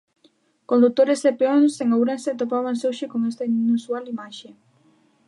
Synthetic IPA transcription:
kond̪ut̪oɾesepeonoseŋawɾanset̪opaβ̞ansowʃɪkoŋest̪ɐinnusualimaʃe

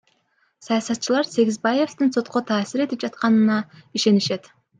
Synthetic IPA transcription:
sɑjɑsɑt̪ːt͡ʃɯlˠɑɾse̞ɡʲizbaje̞fst̪ɨnso̞t̪qo̞t̪ʰɑːsiɾe̞t̪ip̚d͡ʒɑt̪qɑnɯnɑiʃe̞niʃe̞t̪

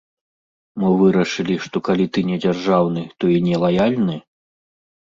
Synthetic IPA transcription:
mɔvɨɾɐʂɨlʲiʂt̪ɔkalʲit̪ɨnʲɛd͡zʲarʐawnɨt̪ɔinʲɛlˠajalʲnɨ

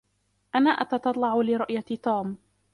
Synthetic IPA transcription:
ʔanaːʔat̪ɑt̪ɑt̪ˤlɑʕʊlɪɾˤɑʔjat̪uːm

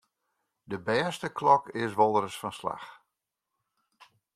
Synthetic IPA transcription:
dəbɛːstəklɔkɪsʋɔlˠəɾəsfɔnsla̰x

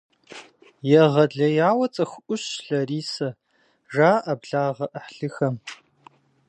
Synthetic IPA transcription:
jɛʁɐɮɐjaːwɐt͡sʼɐxʷʊʔʷʊɕɬɐriːsɐ | ʐaːʔɐbɮaːʁɐʔəħɬɨxɐm

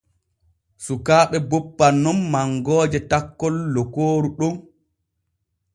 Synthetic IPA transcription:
sukaːɗɛbɔpːanːɔmːaŋɡɔːd͡ʒɛtakːɔlːɔkoːɾuɗum

